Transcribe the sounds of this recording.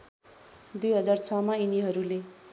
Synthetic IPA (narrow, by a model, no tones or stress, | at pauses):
d̪ujɦʌd͡zart͡sʰʌmainiɦʌɾule